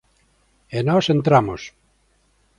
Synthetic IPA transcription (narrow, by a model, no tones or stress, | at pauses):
enɔsent̪ɾamos